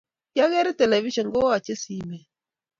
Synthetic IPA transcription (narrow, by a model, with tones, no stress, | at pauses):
ja˦ɣɛ˦ɾi˦tɛ˨lɛ˨vi˦ʃɔ˨ŋɡo˦a˨t͡ʃe˦si˨˦mɛ˨